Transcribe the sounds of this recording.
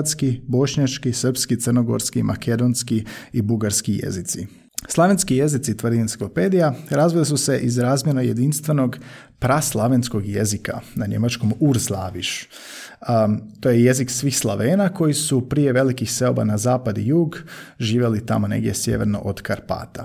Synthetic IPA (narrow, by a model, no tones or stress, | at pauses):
t̪skibo̞ʃɲat͡ʃkisr̩pskit̪ərno̞ɡo̞̰ɾskimʔa̰kʰe̞d̪o̞nskiibuɡaɾskijḛzit̪si | slˠaʋenskije̞zit̪sit̪ʋrd̪ient̪i̥klo̞pe̞ːd̪ijaɾazʋilisuse̞ʔizɾaːzmjenoje̞d̪inst̪ʋe̞no̞ɡ | pɾaslˠaʋensko̞ɡje̞zika̰naɲe̞̰mat͡ʃko̞muɾzlˠaːʋiʃ | t̪ojeje̞ziksʋiːxslˠaʋeːnako̞jisupɾije̞ʋe̞likixse̞oba̰nazaːpad̪ijuːɡʒiːʋje̞lit̪a̰mo̞ne̞̰ɡd̪ʲje̞sjḛʋe̞̰ɾno̞̰ʔod̪kaɾpa̰ːt̪a